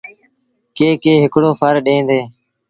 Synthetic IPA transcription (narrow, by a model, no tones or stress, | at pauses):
keːkeːɦɪkɽoːfʰəɾɗẽːnd̪eː